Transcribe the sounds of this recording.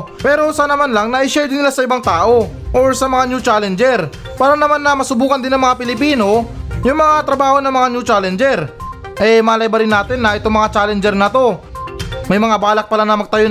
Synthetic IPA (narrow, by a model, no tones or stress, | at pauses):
pɛːɾo̞sanɐmanlaŋnɐʔɪʃɛɹd̪ɪnɪlasɐɪbaŋt̪aːʔo̞ | ʔoɹsɐmɐŋanjut͡ʃaːlɛnd͡ʒɛɾ | paːɾɐnɐmanːɐmɐsʊbuːkɐnd̪ɪnɐŋmɐŋapɪlɪpiːno̞jʊŋmɐŋat̪ɾɐbaːho̞nɐŋmɐŋanjut͡ʃaːlɛnd͡ʒɛɾ | ʔɛmaːlɐjbɐɾɪnːaːt̪ɪnːɐʔɪt̪o̞ŋmɐŋat͡ʃaːlɛnd͡ʒɛɾnɐt̪o̞ | mɐjmɐŋabaːlɐk̚pɐlanɐmɐɡ̚t̪ɐjo